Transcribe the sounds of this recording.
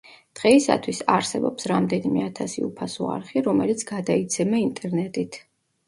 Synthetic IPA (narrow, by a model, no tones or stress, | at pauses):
d̪̥ʁɛisa̰t̪ʰwisaɾsɛbɔpsɾamd̪ɛnimɛat̪ʰasḭupʰasɔa̰ɾχiɾɔmɛlit̪sʰɡ̥ad̪ait̪sʰɛmaint̪ʼɛɾnɛt̪ʼit̪ʰ